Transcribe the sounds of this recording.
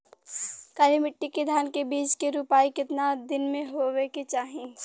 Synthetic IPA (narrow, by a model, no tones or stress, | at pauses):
kaːlimɪʈːiked̪ʱjaːnkebiːt͡ʃkeɾupaːikɪt̪nad̪ɪnmẽɦoeket͡ʃaːɦẽ